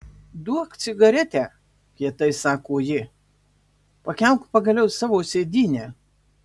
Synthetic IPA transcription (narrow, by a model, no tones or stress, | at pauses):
d̪uɔkt̪sʲɪɡɐɾʲɛt̪ʲæː | pʲiɛt̪ɐɪsɑːkoːjɪ | pɐkʲɛʊkpɐɡɐlʲɛʊsɑːʋoːsʲeːd̪ʲiːnʲæː